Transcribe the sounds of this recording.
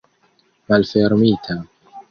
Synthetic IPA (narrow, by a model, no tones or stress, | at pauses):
malfeɾmiːt̪ʰa